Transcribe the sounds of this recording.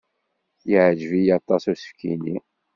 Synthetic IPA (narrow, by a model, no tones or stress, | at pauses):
jəʕd͡ʒvijɑt̪ˤːɑsusə̥fkini